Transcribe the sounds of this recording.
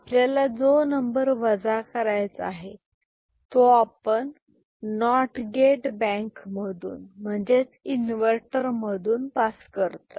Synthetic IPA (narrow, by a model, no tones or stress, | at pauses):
apljjalad͡zonəmbəɾʋəd͡zakəɾajt͡saɦe | t̪oapəɳː | ɔʈɡeʈbɛ̃ŋkməd̪ʱṵːnm̤əɳd͡zet͡sinʋəɾʈəɾməd̪ʱuːnpaskəɾt̪ə